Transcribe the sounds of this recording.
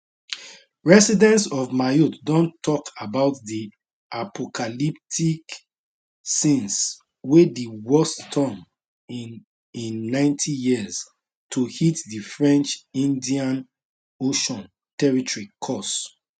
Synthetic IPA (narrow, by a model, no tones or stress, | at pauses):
ɹɛsidɛ̃ntsɔvmajutdɔ̃ntʰːɔkʰabaʊtdi | ʔapɔkʰalip̚tʰik | sĩns | wediwɔstʰɔ̃m | ĩnːãɪ̃ntʰijiz̥ | tʰuhitdifɹɛ̃nt͡ʃĩndiãn | oʃɔ̃n | tɛɹitɔɹikʰɔs